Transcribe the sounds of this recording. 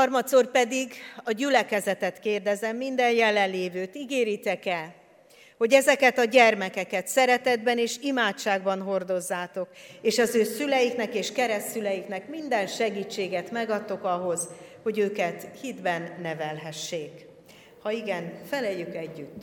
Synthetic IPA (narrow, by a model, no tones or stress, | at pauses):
hɒrmɒt̪sorpɛd̪iɡɒɟylɛkɛzɛt̪ɛt̪keːrd̪ɛzɛmːind̪ɛnjɛlɛnleːvøːt̪iɡeːɾit̪ɛkɛl | ho̞ɟɛzɛkɛt̪ɒɟɛrmɛkɛkɛt̪sɛɾɛt̪ɛd̪bɛneːʃimaːt͡ʃːaːɡbɒnɦo̞rd̪o̞zːaːt̪o̞keːʃɒzøːsylɛjiknɛkeːʃkɛɾɛsylɛjiknɛkmind̪ɛnʃɛɡiːt͡ʃːeːɡɛt̪mɛɡɒt̪ːo̞kɒɦo̞zho̞ɟøːkɛt̪hid̪bɛnːɛvɛlɦɛʃːeːk | hɒiɡɛnfɛlɛjːykɛɟːyt̪ː